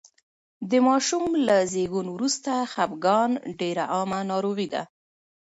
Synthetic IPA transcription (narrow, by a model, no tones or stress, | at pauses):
d̪əmɑʃumlazeɡunwɾust̪axapɡɑnɖeɾaʔɑmanɑɾowid̪a̰